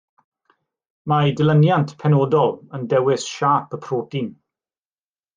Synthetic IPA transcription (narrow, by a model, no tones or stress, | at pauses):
madɪlˠənjantʰpʰɛnoːdɔlˠəndɛwɪsʃaːpʰəpʰroːdin